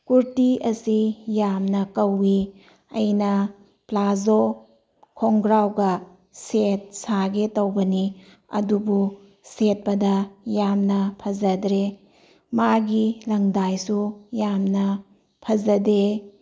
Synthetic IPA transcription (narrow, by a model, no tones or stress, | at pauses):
kuɾtiʔɐsijamnɐkɐwːi | ɐjnɐ | plazo | kʰoŋɡɾawɡɐ | set̚saɡetɐwbɐni | ɐ̰dubu | set̚pɐdɐjamnɐpʰɐzɐdɾe | maɡilɐŋdajsujamnɐ | pʰɐzɐde